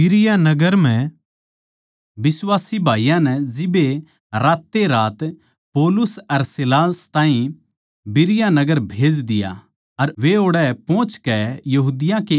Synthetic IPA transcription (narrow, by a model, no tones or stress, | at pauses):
ɪɾɪjanɐɡəɾm̤ɛ̃ | bɪswaːsibʱaːijãnɛd͡ʒɪbe | ɾaːt̪ːeɾaːt̪ | poːlʊsɐɾsɪlaːst̪ãːĩ | bɪɾɪjanɐɡəɾbʱeːd͡ʒd̪ɪja̰ | ɐɾʋeoːɽɛpõːt͡ʃkɛjɐɦuːd̪ɪjãke